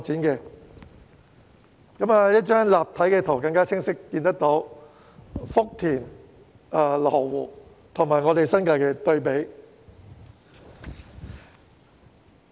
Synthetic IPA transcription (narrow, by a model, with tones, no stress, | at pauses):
k̚t͡siː˨˥nkɛː˧ | kɐ˨˥maː˧jɐ˥t̚t͡ʃaː˥nlaː˨p̚t̪ʰɐ˨˥jkɛː˧t̪ʰo˨˩wkɐ˧ŋkaː˥t͡sʰɪ˥ŋsɪ˥kːiː˧nt̪ɐ˥k̚t̪o˨˥w | fʊ˥k̚t̪ʰiː˨˩n | ɐː˧lɔ˨˩wwuː˨˩ | t̪ʰʊ˨˩ŋmaː˨˩jŋɔː˨˧t̪e˨jsɐ˥nkaː˧jkɛː˧t̪ɵ˧ɥpe˨˥j